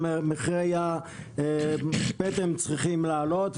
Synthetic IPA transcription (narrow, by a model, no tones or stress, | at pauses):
meχʁejaebet̪emt͡sʁiχimlaːlo̞t̪